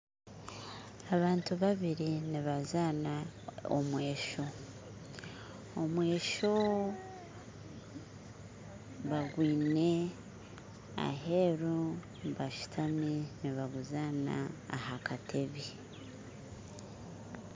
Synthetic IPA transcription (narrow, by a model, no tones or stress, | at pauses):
aβaːntuβaβiɾiniβazaːnao̰mwe̞ːʃo̞ | omwe̞ːʃo | βaɡwiːne | a̰ɦe̞ɾo | βaʃu̥tʰaminiβaɡuzaːna̰ːhakatʰeβi